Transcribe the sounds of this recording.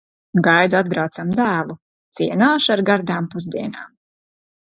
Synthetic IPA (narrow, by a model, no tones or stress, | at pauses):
ɡajd̪uad̪̚bɾawt̪samd̪æːlˠu | t̪siɛnaːʃaɾɡaɾd̪aːmpuzd̪iɛna̰ːm